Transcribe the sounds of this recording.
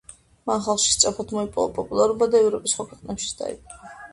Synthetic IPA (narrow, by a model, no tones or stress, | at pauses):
manχalˠχʃist̪sʼɾapʰat̪ʰmɔipʼɔ̰va̰pʼɔpʼulˠaɾubad̪aɛvɾɔpʼisχwakʰwɛqʼnɛpʃi̥sd̪a̰ḭkʼa